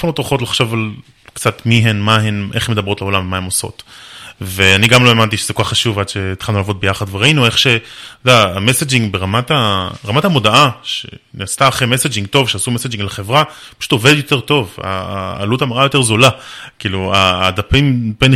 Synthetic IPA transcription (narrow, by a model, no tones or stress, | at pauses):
fanot̪ʁoχo̞tlaχʃo̞val | kt͡sat̪miɦenmaɦenʔeχemd̪ɐbʁotleo̞lamvemahemoso̞̰t̪veaniɡamloe̞mantiʃezekokaχːaʃuvad̪ʃeit̪χalnulavo̞t̪̚bejaχad̪veʁainue̞χʃe̞tojdaamesed͡ʒiŋɡbe̞ʁamat̪aʁamathamo̞daʔaʃḛnest̪aːχejmesed͡ʒiŋɡto̞vʃeasumesed͡ʒiŋɡleχe̞vʁapḁʃu̥t̪o̞ve̞dd̪jo̞t̪e̞ʁt̪o̞va̰ːlutamaʁajo̞t̪e̞ʁzolakiːluaːd̪apimpen